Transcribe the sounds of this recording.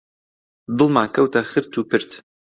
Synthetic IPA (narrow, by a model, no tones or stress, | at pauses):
d̪ɨlˠmaːkʰɐwtʰɐχɨɾtʰuːpʰɨɾtʰ